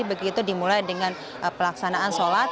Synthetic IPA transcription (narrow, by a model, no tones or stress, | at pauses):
ibəɡiːt̪udimulajdəŋan | əpəlaksanaʔansolat̪